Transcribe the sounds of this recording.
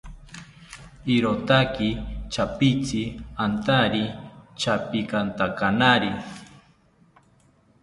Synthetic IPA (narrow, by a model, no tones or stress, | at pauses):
iɾot̪akit͡ʃapit͡siant̪aɾit͡ʃapikant̪akanaɾi